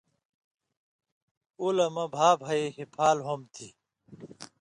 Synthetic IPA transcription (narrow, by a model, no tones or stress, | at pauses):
ulɐmɐbʱaːbʱɐiɦipʰaːlɦomt̪ʰi